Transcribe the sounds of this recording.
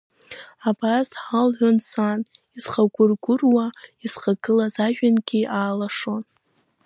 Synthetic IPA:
abazħalʕʷonsanizχaɡʷʊrɡʷʊrwaizχaɡɨlazaʒᶣanɡʲiaːlaʂo̞n

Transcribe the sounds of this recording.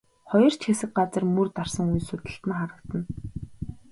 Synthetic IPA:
χɔjɞ̆r̥t͡ɕʰxesɘ̆k̚ɢat͡sə̆rmɵrt̪arsə̆ŋujsʊt̪ə̆ɬt̪ə̆nχaɾə̆k̚t̪ə̆n

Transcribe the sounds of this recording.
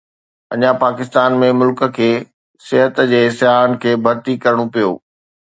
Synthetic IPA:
ɐɲãpaːkɪst̪aːnmẽmʊlkə̆kʰeː | sɪɦət̪d͡ʑeːsɪɦaːənɪ̆kʰeːbʱɐɾt̪ikɐɾɽ̃opijo̰ː

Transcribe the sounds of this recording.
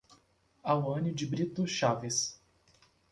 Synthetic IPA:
awɐ̃nɪd͡ʒɪbɾit̪ʊʃavɪs

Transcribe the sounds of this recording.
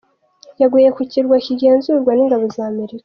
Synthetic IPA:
jaɡwiːje̞kuciɾɡwaciɟe̞ːnzuɾɡwaniŋɡaβo̞zaːme̞ɾikḁ

